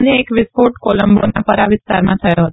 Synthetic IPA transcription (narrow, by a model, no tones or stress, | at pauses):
njeekʋɪskoʈkoləmbo̰napəɾaʋɪst̪aɾmãt̪ʰəjoɦət̪o